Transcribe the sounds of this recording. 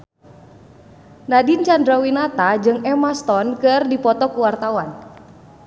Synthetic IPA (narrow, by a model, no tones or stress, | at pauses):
nadint͡ʃandɾawinat̪ad͡ʒɨŋɛmast̪ɔnkɨrdipɔt̪ɔkuwart̪awan